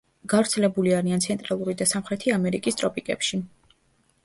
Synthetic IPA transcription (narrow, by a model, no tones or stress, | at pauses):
ɡ̥avɾt̪sʰɛlɛbuliaɾiant̪sʰɛnt̪ʼɾalˠuɾid̪asamχɾɛt̪ʰiamɛɾikʼist̪ʼɾɔpʼikʼɛ̰pʃi